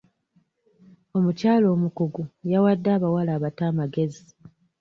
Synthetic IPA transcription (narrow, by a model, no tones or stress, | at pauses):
o̞mucaːlo̞ːmukuɡujawadːaːβawalaːβataːmaɡe̞zi